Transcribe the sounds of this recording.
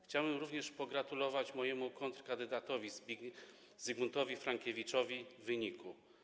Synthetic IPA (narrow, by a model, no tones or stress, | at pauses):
xt͡ɕawbɘmɾuvɲɛʂpɔɡɾat̪ulɔvat͡ɕmɔjɛmukɔnt̪ɾkand̪ɘd̪at̪ɔvʲiz | zɘɡmunt̪ɔvʲifɾaŋkʲevʲit͡ʂɔvʲivɘɲiku